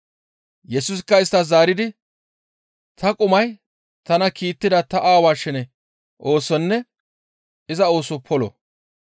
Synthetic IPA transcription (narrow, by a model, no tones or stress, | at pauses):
jɛsʊs̬ɪkːɐɪst̪ːɐzaːɾɪd̪ɪ | t̪ʰɐkʼʊmɐj | t̪ɐnɐkiːt̪ːɪd̪ɐt̪ɐʔaːwaːʃɪnɛ | ʔo̞ːsɔnːɛ | ɪzɐo̞ːsɔpʰɔlɔ̰